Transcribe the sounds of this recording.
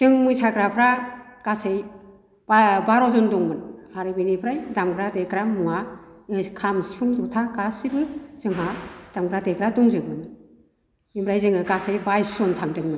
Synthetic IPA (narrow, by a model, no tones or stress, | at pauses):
tɯŋmɯsakɾapʰɾakasej | babaɾɔzɔnduŋmɯnaɾɯbɯnibʰɾajdamɡɾadekɾamua | kʰamsi̥pʰɯŋdɔtʰakasibɯz̥ɯŋɦad̥amɡɾadekɾaduŋzɯbɯn | imbɾajzɯŋɯkasejbajsɔntʰaŋdɯŋmɯn